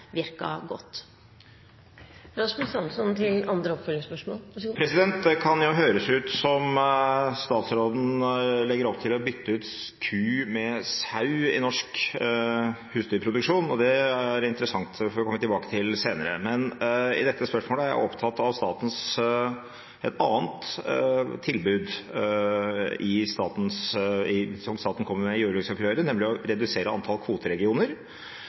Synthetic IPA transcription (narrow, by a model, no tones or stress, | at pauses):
ʋɪɾkɑ̰ɡɔ̰t̪ː | ɾɑsmʉsɑnsɔnt̪ʰɪlɑnd̪ɾəɔpfœlːɪŋspœʂmoːpʰɾɛsɪd̪ɛnt̪̚d̪ɛkʰɑnjʊɦøːɾəsʉːt̪sɔm | st̪ɑːt̪sɾoːd̪n̩lɛɡːəɾɔpt̪ʰɪlɔbʏt̪ʰːəʉːt̪ | kʰʉːmɛsɑʉɪ̰nɔʂk | hʉːsd̪ʏpʰɾʊd̪ʉkʂuːnɔd̪ɛæɾɪnt̪əɾəsɑŋt̪fɔɾʋɪkʰɔmːət̪ɪlbɑːkə̥t̪ʰɪlseːnəɾə̰mɛnɪ̰d̪ɛt̪ːəspœʂmoːləæɾjæ̰ʔɔpt̪ʰɑt̪ːɑʋst̪ɑːt̪n̩s | ʔɛ̰t̪ɑːənt̪ | t̪ʰːɪlbʉːd̪ | ɪst̪ɑːt̪n̩sɪsɔmst̪ɑːt̪n̩kʰɔmːəɾmɛjuːɾlʏksɔkɾøːɾənɛmlɪɔɾɛd̪ʉseːɾəɑnt̪ʰɑlkʰʋuːt̪əɾɛɡɪuːnəɾ